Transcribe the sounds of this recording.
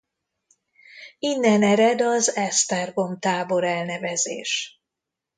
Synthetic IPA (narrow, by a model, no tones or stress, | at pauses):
inːɛnɛɾɛd̪ɒzɛst̪ɛrɡo̞mt̪aːbo̞ɾɛlnɛvɛzḛːʃ